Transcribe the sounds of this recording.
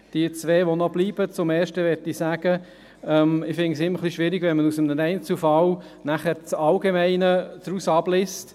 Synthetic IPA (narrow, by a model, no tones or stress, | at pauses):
d̥iət͡sʋeːʋonɔbliːb̥ət͡sʊmɛːʃtəʋɛɾtisæɡə | ɛmɪfɪŋsɪmːəɾχliʃʋɪɾiɡ̥ʋɛnmənusəmnənɛɪnt͡sufɑl | næχəɾt͡sɑlɡemɛɪnət͡sɾusɑb̥lɪst